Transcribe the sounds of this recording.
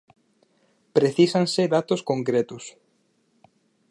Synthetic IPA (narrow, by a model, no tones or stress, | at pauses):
pɾeθisaŋsɪðat̪ʊskoŋkɾet̪ʊs